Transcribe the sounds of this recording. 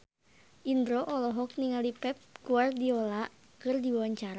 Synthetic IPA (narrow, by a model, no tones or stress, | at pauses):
ʔindɾɔʔɔlɔɦɔk̚niŋalipɛp̚ɡuardiɔla | kɨrdiwawaɲt͡ʃaɾa